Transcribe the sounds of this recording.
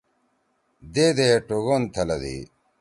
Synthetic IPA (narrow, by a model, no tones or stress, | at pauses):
d̪eːd̪eʈoɣont̪ʰɐlɐd̪ḭː